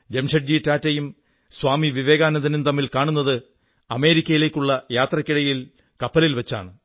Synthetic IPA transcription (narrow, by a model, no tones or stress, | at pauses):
d̪emʂɐʈ̚d͡ʑiːtːaːtːejum | swaːmiʋiʋe̞ːɡaːnɐd̪ɐnunt̪ɐmːilkaːɳunːɐðɨ | ɐme̞ːɾikʲːɐjile̞ːkʲːuɭːɐjaːt̪rɐkʲːiɽɐjil | kɐpːɐlilʋet͡ɕːa̰ːɳɨ